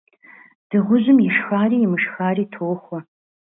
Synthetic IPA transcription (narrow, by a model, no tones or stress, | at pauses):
d̥ɨʁʷʊʑʷɨmjɛʃxaːriːjɪmɨʂxaːriːtʰowxʷɐ